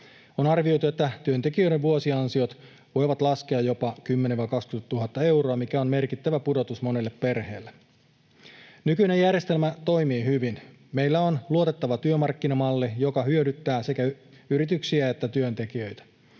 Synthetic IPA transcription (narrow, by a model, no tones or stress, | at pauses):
onɑrʋiojt̪ue̞t̪ːæt̪yønt̪ekiøjɾeʋʋuosiɑnsio̞t̪ | ʋo̞jʋɑt̪lɑskeɑjo̞pɑkymːeneʋɑikɑkskyt̪uɦɑt̪ːɑe̞wɾo̞ɑmikæonme̞rkit̪ːæʋæpudo̞t̪usmo̞nelːeppe̞rhe̞ːlːe | nykyinejærjest̪e̞lmæt̪o̞jmiːhyʋin | me̞jlːæonluot̪e̞t̪ːɑʋɑt̪yømɑrkːinɑmɑlːijo̞kɑhyødyt̪ːæːsekæ | yɾit̪yksiæet̪ːæt̪yønt̪ekiø̞jt̪æ̥